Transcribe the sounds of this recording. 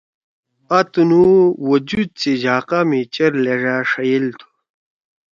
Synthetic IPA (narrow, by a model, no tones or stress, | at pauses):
at̪unuwod͡ʑud̪̚t͡ɕed͡ʑʱaːqamit͡ɕɐɾleʐaʂɐjilt̪ʰu̥